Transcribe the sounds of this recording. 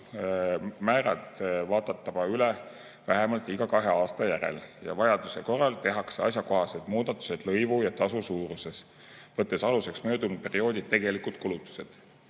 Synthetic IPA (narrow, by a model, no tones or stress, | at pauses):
mæːɾɑ̰t̪vɑːd̪̥ɑt̪ːɑb̥ɑyle | væɦɛmɑlt̪ːˑiɡɑkɑɦe̞ɑːst̪ɑjæɾḛljɑ̰vɑjɑd̪̥use̞ko̞rːɑlt̪e̞ɦɑkseɑ̰sjɑko̞ɦɑse̞d̪̥muːd̪̥ɑt̪ːˑu̥sed̪̥lɤjvujɑt̪ɑsusuːɾuse̞s | vɤt̪ːˑe̞sɑluse̞ksmø̞ːd̪unu̥pe̞rio̞ːd̪i̥t̪ːe̞ɡ̥e̞likud̪̥̚kulut̪ːˑu̥se̞d̪̥